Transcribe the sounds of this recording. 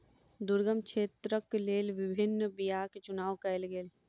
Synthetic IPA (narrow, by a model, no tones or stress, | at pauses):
d̪ʊɾɡəmkʃʰeːt̪ɾəkleːlʋɪbʱɪnːbijaːket͡ʃʊnaːʋkɛlɡeːl